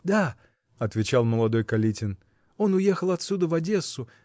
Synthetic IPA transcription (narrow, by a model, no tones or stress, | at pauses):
d̪a | ɐt̪vʲɪt͡ɕalˠməlˠɐd̪o̞jkɐlʲitʲɪn | o̞nʊje̞xəlˠɐt̪sʲud̪əvɐdʲe̞sʊ